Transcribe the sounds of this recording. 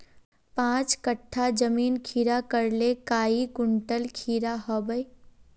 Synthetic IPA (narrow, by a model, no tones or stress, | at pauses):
pãːt͡ʃkəʈʰːad͡ʒəmiːnkʰiːɾakəɾlekaːiɡʊɳʈəlkʰiːɾaɦɔːbəj